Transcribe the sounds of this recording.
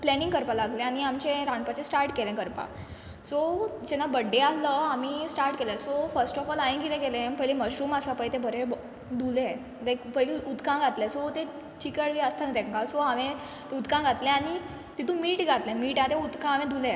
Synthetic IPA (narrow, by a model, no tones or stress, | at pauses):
plɛnĩŋɡkəɾpalaɡlẽañiamt͡ɕẽɾãɳpat͡ɕẽsʈaɾʈkelɛ̃kəɾpa̰ | sod͡ʑɛnːabəɖẽalːəamisʈaɾʈkelɛ̃sofəɾsʈɔfɔlajĩŋkit̪ẽɡelẽpəjleməɕɾumasapəjt̪ẽbʱəɾe | d̪ule | d̪ẽkpəjleud̪kãɡʱat̪lɛ̃sot̪ẽ | t͡ɕikəɽʋiəst̪ʰãt̪ɛ̃ŋkasoaʋẽ | t̪ud̪kãɡʱat̪lɛ̃aɽ̃i | t̪it̪ʰũmiːʈɡʱat̪lɛ̃miːʈat̪ẽud̪kãaʋẽd̪ʱulẽ